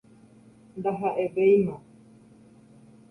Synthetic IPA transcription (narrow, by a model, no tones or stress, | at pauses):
nd̪aɦaʔeʋejmã